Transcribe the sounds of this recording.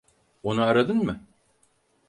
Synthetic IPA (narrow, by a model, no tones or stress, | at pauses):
onuaɾad̪ɯnmɯ